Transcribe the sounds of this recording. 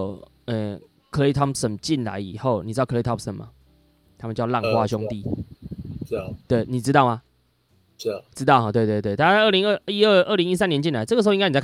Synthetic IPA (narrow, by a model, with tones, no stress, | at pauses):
ɛ˥˨˩ | kʰə˧˦le˥t̪ʰa˥˩psə˨˩nt͡ɕi˥˨nla̰˧˦ɪḭ˨˩xo˥˨ʊni˨˩ɻ̩ɨ˥t̪kʰe˥t̪ʰa˥psə˨˦ma̰˨˩ | t̪ʰa˥mə˨t͡ɕjɑ˥˧ʊla˥˨ŋxwa˦ɕjɔ˥˦ŋt̪i˥˨˥ | t̪we˥˩ɪni˨˩ʈ͡ʂɻ̩˥t̪ɑ˥˩ʊma˨ | ʈ͡ʂɻ̩˥t̪ɑ˥˩xɑ˨t̪we˥˧t̪we˥˧ɪt̪we˥˩ɪta˥˧˥a˧ə˥˩li˧˥ŋə˥˧i˦ə˥˧ʔə˥˩˨li˧˦ŋi˥s̬a˦njɛ˧˦nt͡ɕi˥˨nla˧˦t͡sɤ˥˨ə˩ʂ̩˧˥˧ŋ˥n˨a˧